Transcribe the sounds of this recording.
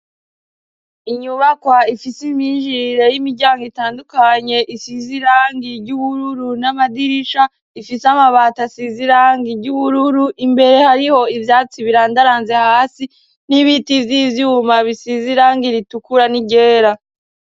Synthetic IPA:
iɲuβakwaifisimiːnʒiɾe̞jimiɾɟaːŋɡoitaːndukaɲe̞ʔisiziɾaːŋɡiɾɟuβuɾuɾunamadiɾiʃa | ifisamaβaːtasiziɾaːŋɡiɾɟuβuɾuɾuʔimbe̞ɾe̞haɾiho̞ivjaːt͡siβiɾaːndaɾaːnzehaːsi | niβitivjivjumaβisiziɾaːŋɡiɾitukuɾaniɟe̞ːɾa

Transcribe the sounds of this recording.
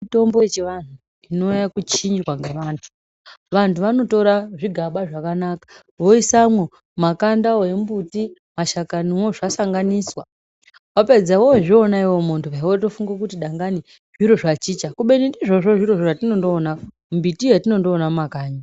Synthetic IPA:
ito̞mbo̞et͡ʃeʋan̤u | ino̞jakut͡ʃiɲd͡ʒikwaŋɡeʋantʰu̥ | ʋantuʋano̞to̞ɾaʐiɡʱaɓaʐakanakḁ | ʋo̞isamwo | makandaoe̞mbuti | maʃakaniwoʐasaŋɡaniswa | wape̞d͡zawoʐoːnaiwo̞montʰuʋawoto̞fuŋɡak̬utiɗaŋɡani | ʐiɾo̞ʐat͡ʃiːt͡ʃakuɓe̞nindiʐo̞ʐo̞ʐiɾo̞ʐoʐatino̞ndo̞ːna | mbitijatino̞ndoːnamakaːɲa

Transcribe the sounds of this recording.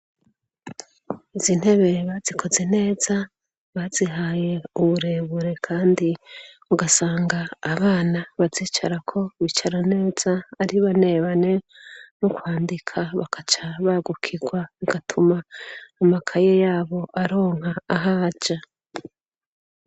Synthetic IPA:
izin̥he̞βe̞βazikʰo̞ze̞ne̞ːza | βaziɦaje̞uβuɾe̞βuɾe̞kʰaːndi | uɡasaːŋɡaːβaːnaβaziːt͡ʃa̰ɾakʰo̞βit͡ʃaɾane̞ːz̥aːɾiβane̞βane̞ | nukwaːndikʰaβakʰat͡ʃaβaɡukʰiɡwaβiɡ̥atʰumaːmakʰajejaːβo̞ʔaɾo̞ːŋ̥haːɦad͡ʒa

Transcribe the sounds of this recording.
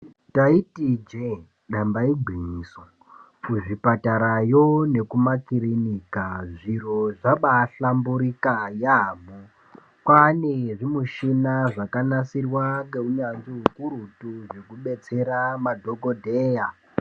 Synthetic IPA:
taitid͡ʒe | ɗambaiɡʱiɲiːso | kuʐipataɾajone̞kumakiɾinikaʐiro̞ʐaɓaɬambuɾikajamu | kwaneʐimuʃinaʐakanasirwaŋɡe̞uɲanʐiɦukuɾutuʐekuɓe̞t͡se̞ɾamadʱoɡodʱeːja

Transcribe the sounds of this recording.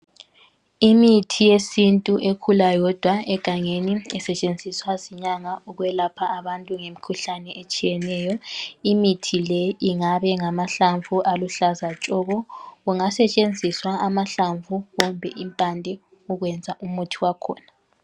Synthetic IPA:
imitʰijesintʼuʔekʰulajɔd̥ʱwaɛɡ̥ʱaŋeniɛsɛt͡ʃʼend͡zʱiswaziɲaŋauɣwɛlapʰaːβantʼuŋemikʰuɬanɛʔet͡ʃʼijɛnɛːjɔimitʰilɛiŋaβɛŋamaɬaɱvʱuʔaluɬazat͡ʃʼɔɣɔɣuŋasɛt͡ʃʼend͡zʱiswaamaɬaɱvʱuɣɔmbʱɛʔimpʼandʱɛ | uɣwɛnd͡zʱaʔumutʰiwakʰɔ̰ːna

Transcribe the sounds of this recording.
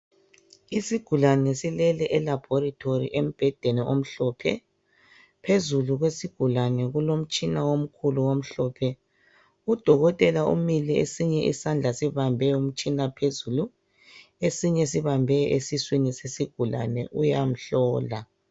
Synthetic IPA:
isiɡ̥ʱulanɛsilɛlɛʔɛlab̥ʱɔɾitʰorḭʔem̩b̥ʱɛd̥ʱɛnɛʔom̩ɬɔpʰɛ̰ | pʰezuluɣwesiɡ̥ʱulanɛɣulom̩t͡ʃʼinawom̩kʰuluwom̩ɬɔːpʰɛ | ud̥ʱɔɣɔtʼɛlaʔṵmiliḛsiɲɛʔḭsand͡ɮʱasiβambʱɛum̩t͡ʃʼinapʰezulu | esiɲɛsiβambʱɛesiswinisesiɡ̥ʱula̰nɛ̰ʔujam̩ɬɔːla

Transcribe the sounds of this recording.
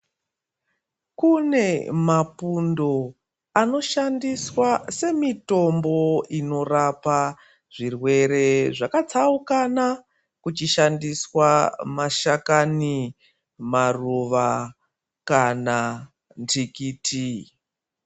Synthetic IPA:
kune̞mapundo̞ | ano̞ʃandiswase̞mito̞mbo̞ino̞rapa | ʐirwe̞ɾe̞ʐakat͡saukana | kut͡ʃiʃandiswamaʃakani | maruʋa | kana | ntikiːtʰi

